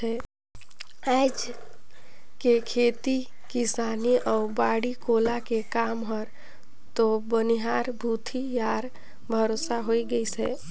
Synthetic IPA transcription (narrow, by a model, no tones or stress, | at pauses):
ɛ | aɪd͡ʒ | kekʰet̪i | kɪsaːniʔɔʊɾbaːɽikolakekaːmɦəɾ | t̪obəniɦaːɾbʱut̪ʰijaːɾ | bʱəɾosaɦoiɡəisɛː